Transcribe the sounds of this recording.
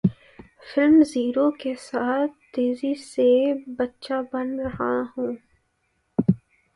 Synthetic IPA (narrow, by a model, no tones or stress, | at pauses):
fɪlmziːɾokesaːt̪̚ʰt̪eːzisebɐtːʃabɐnɾɐɦahũː